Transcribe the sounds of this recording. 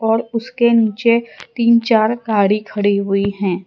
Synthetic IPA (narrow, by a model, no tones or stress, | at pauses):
ɔːɾʊskeniːt͡ʃet̪iːnt͡ʃaːɾɡaːɽikʰɐɽiɦʊiɦɛ̃ː